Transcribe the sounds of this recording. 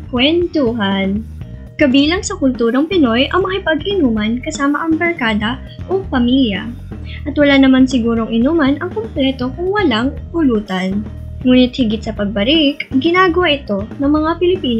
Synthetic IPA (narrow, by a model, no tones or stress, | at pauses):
kwɛnt̪uɦan | kɐbiːlɐŋsɐkʊlt̪uːɾɐŋpɪno̞jʔɐŋmɐkɪpɐɡʔɪnuːmɐnkɐsaːmɐʔɐŋbɐɹkaːd̪ɐ | ʔopɐmiljɐ̰ | ʔɐt̪wɐlanɐmansɪɡuːɾoŋʔɪnuːmɐnʔɐŋkomplɛt̪o̞kʊŋwɐlaŋpʊluːt̪ɐn | ŋuːnɪt̪̚hɪɡɪt̪̚sɐpɐɡ̚bɐɾɪkɡɪnaːɡɐwaʔɪt̪o̞nɐŋmɐŋapɪlɪpiːn